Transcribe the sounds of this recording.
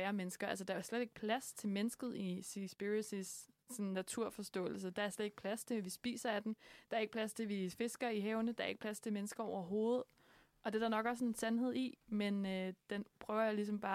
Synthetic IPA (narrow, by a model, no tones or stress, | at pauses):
æːɐmenəsɡ̥ɐælsəd̥ɑ̈æɐsled̥e̝ɡ̥̚pʰlæst͡sʰe̝lmenəsɡ̥ð̩ˠisisb̥iɐisisː | ɒ̽nnːæt͡sʰuɐ̰fɒ̽sd̥ɔ̰̽ːl̩s̬əd̥ɑ̈æɐsled̥e̝ɡ̥pʰlæst͡sʰe̝ʋisb̥ḭːsɐæd̥emd̥ɑ̈ɐe̝ɡ̥̚pʰlæst͡sʰe̝ʋife̝sɡ̥ɐiɦɛʊnəd̥ɑ̈æɐe̝ɡ̥̚pʰlæst͡sʰe̝menəsɡ̥ɐɒʊɐɦo̝ːð̩ˠ | ʔɒ̽d̥e̝d̥ɑnɒ̽ɡ̥æɐsɔ̽ne̝nsænɦe̝ð̞̰ˠimenød̥enpʰʁœʊɐjalis̬ɒ̽mb̥ɑ̈ː